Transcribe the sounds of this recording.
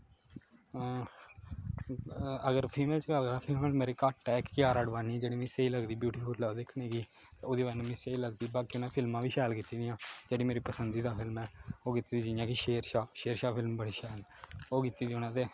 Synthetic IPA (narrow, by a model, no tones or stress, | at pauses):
əɡəɾpʰiːmeːlt͡ʃɡəɾd̪aːpʰɪlmɛːlmeːɾeːkaːʈːɛːɪkkɪjaːɾaːɖʋaːniːɛd͡ʒeːɽiːmɛ̃ːseiːləɡd̪iːbjuːʈiːfʰʊɾlaːod̪ɪkʰneːɡiː | t̪eːoːd̪iːbanũːmɛ̃ːseiːləɡd̪iːbaːkiʊnãːpʰɪlmãːʋiːʃɛːlkit̪ːiːd̪ijãːd͡ʒeːɽiːmeːɾiːpəsənd̪iːd̪aːpʰɪlmɛːoːkɪt̪ːiːd̪iːd͡ʒɪjãːkiʃeːɾʃaːʃeːɾʃaːpʰɪlmbəɽiːʃɛːloːkɪt̪ːiːd̪iːonãːt̪eː